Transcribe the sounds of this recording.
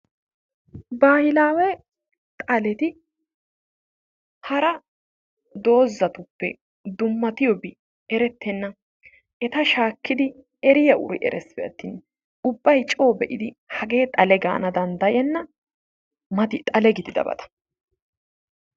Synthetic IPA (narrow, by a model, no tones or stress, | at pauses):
baːhɪlaːwɛ | t̪ʼɐlɛt̪ɪ | hɐɾɐ | d̪o̞ːzːɐt̪ʊpːɛ̰ | d̪ʊmːɐt̪ɪjɔbɪ | ɛɾɛt̪ːɛnːɐ | ʔɛt̪ɐʃaːkːɪd̪ɪ | ɛɾɪjɐʔʊ̰ɾɪ̰ʔɛ̰ɾɛsːbɛjɐ̰t̪ːḭːn | ʊbːɐjt͡ʃʼo̞ːbɛʔɪd̪ɪhɐɡe̞ːt̪ʼɐlɛɡa̰ːnɐd̪ɐnd̪ɐjɛnːɐ | mɐt̪ɪt̪ʼɐlɛɡɪd̪ɪd̪ɐ̰bɐ̰t̪ɐ̥